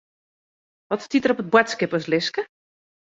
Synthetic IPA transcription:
ʋɔtstitərɔpət̚bwɛtskɪpəslɪskə

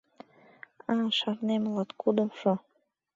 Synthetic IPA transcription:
ɑʃɑɾnemlɑt̪kud̪ə̆mʃo

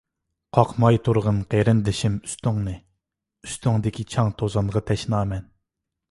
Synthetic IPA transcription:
qʰɑqʰmɑjt̪ʰuɾʁənqʰeɾɪnd̪ɪʃɪmy̥st̪yŋnɨ | yst̪yŋd̪ɪkʲit͡ʃʰɑŋt̪ʰozɑnʁɑt̪ʰɛʃnɑːmɛn

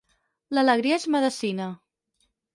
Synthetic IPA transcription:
lələɣ̞ɾiəezməðəsinə

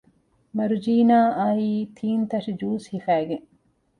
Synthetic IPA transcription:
mɐɾud͡ʒiːnaːʔɐiːt̪ʰiːnt̪ɐʂid͡ʒuːshifæːɡeŋ

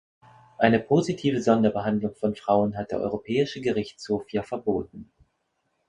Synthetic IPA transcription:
ʔaɪnəpʰozitʰiːvəzɔndɐbəɦandlʊŋfɔnfʁ̥aʊənɦat̚d̥eːɐʔɔ̰ʏʁopʰɛːɪʃəɡəʁɪçt͡shoːfjaːfɛɐboːt̚n̩

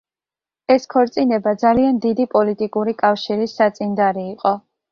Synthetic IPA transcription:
ɛskʰɔɾt̪sʼinɛbad̪zaliand̪id̪ipʼɔlit̪ʼikʼuɾikʼafʃiɾisːat̪sʼind̪aɾiːqʼɔ

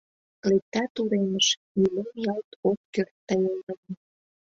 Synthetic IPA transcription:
lek̚t̪ɑt̪uɾeməʃmilemjɑlˠt̪okːørt̪ːɑjelnənə

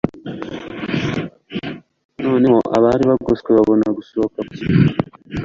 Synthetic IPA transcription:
noːnemoʔa̰βaːɾiβaɡoskoβaβonaɡusokamutia

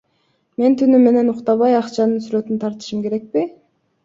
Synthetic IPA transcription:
me̞nt̪ʰynyme̞ne̞nuqt̪ɑβɑjɑqt͡ʃɑnɯnsyɾø̞t̪ynt̪ʰɑɾt̪ɯ̥ʃɯmke̞ɾe̞k̚pi

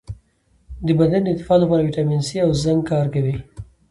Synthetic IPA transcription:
d̪əbad̪and̪ɪt̪ːɪ̥fɑlapɑɾawiʈɑminsiawzaŋɡ̚kɑɾkawi

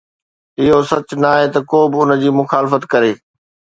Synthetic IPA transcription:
ɪɦosɐt͡ɕnaːɦet̪ɐkoːbɪʊnəd͡ʑiːmʊxaːlɪfət̪kɐɾeː

